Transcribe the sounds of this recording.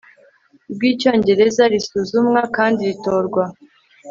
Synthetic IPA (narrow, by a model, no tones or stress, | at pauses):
b̚ɡiːco̞ːɲɟe̞ɾe̞zaɾisuːzumŋakaːndiɾito̞ːɾɡwa